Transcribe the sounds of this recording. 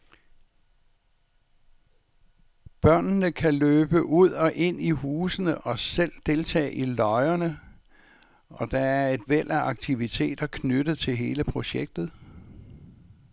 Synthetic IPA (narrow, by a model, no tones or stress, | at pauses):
b̥ɶɐ̰nnəkʰæløːb̥əʔuð̞̰ˠɒ̽ʔe̝n̰iɦuːsənəʔɒ̽sel̰d̥e̝lt͡sʰɛ̰ːʔilɒ̽ɪɐnə | ʔɒ̽d̥ɑ̈æɐe̝d̥ʋel̰ʔæʔɑ̈ɡ̥t͡sʰiʋit͡sʰe̝̰ːd̥ɐkʰnød̥ð̩ˠt͡sʰe̝lɦe̝ːləpʰʁo̝ɕeɡ̥̚d̥ð̩ˠ